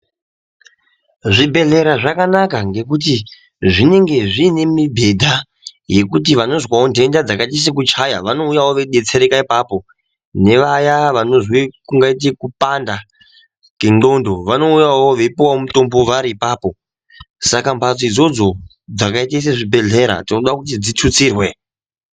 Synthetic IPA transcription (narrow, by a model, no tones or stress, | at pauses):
ʐibʱe̞ɮe̞ɾaʐakanakaŋɡe̞k̬ut̬i | ʐine̞ŋɡe̞ʐiːne̞mibʱe̞dʱa | je̞kutiʋano̞zwaondʱe̞ndad͡zakatis̬ek̬ut͡ʃaja̰ʋano̞ujawoʋeɗe̞t͡seɾekaipaːpo̞ | ne̞ʋajaʋano̞ʐwikuŋɡait̬ekupanda | keŋ͡ǃo̞ndo̞ʋano̞ujawoʋe̞piwawomuto̞mbo̞ʋaɾiːpaːpo̞ | sakambat͡soid͡zo̞d͡zo̞ | d͡zakaitais̬eʐibʱe̞ɮe̞ɾa̰tinoɗakutid͡zitʰut͡siːrwe̞